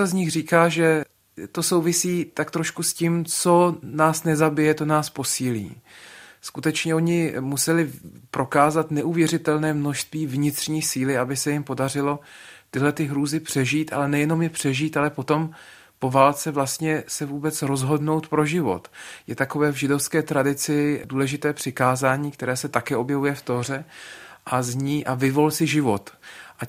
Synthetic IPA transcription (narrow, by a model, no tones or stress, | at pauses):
azɲɪxriːkaːʒɛ | t̪o̞so̞wvɪsiːt̪akt̪ɾoʃkusciːmt͡so̞naːsnɛzabɪjɛt̪o̞naːspo̞siːlḭːskut̪ɛt͡ʃɲɛo̞ɲɪmusɛlɪpɾo̞kaːzat̪nɛʔuvjɛrɪt̪ɛlnɛːmno̞ʃst̪viːvɲɪt̪r̥ɲiːsiːlɪabɪsɛjɪmpo̞dar̝ɪlo̞ | t̪ɪɦlɛt̪ɪɦɾuːzɪpr̥ɛʒiːt̪ʔa̰lɛnɛjɛno̞mjɛpr̝̥ɛʒiːt̪alɛpo̞t̪o̞m | po̞vaːlt͡sɛvlast̪ɲɛsɛvuːbɛt͡sɾo̞zɦo̞dno̞wt̪pɾoʒɪvo̞̰t̪jɛt̪ako̞vɛːvʒɪdo̞fskɛːt̪ɾadɪt͡sɪduːlɛʒɪt̪ɛːpr̥ɪkaːzaːɲiːk̚t̪ɛɾɛːsɛt̪akɛːo̞bjɛvujɛft̪or̝ɛʔazɲiːʔavɪvo̞lsɪʒɪvo̞t̪ʔa